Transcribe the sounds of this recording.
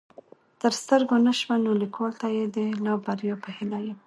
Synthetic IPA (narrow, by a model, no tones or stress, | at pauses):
t̪əɾst̪əɾɡonəʃmanolikʰolt̪ajed̪əlɑbaɾjɑpəhɪlaje